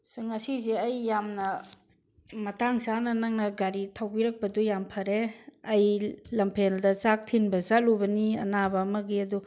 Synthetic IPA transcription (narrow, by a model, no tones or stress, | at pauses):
sɯŋɐsizeɐjːamnɐ | mɐtaŋsanɐnɐŋnɐɡaɾitʰawbiɾɐk̚pɐdujampʰɐɾeɐjlɐmpʰeldɐt͡ʃak̚tʰinbɐzalubɐniɐ̰nabɐmɐɡiɐdu